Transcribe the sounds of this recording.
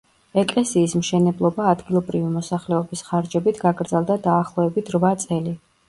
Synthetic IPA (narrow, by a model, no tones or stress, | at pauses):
ɛkʼlɛsiːsmʃɛnɛblˠɔbaːd̪ɡilˠɔbɾivimɔsaχlɛɔbisχaɾd͡ʒɛbit̪ʰɡaɡɾd̪zɛlˠd̪ad̪aːχlˠɔɛbit̪ʰɾvat̪sʼɛli